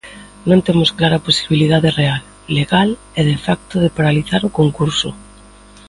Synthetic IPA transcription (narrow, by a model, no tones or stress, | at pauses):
nõnt̪emʊsklaɾaposiβiliðaðerealː | eɣal | ɛðefak̚t̪ʊð̞epaɾaliθaɾʊkoŋkuɾsʊ̰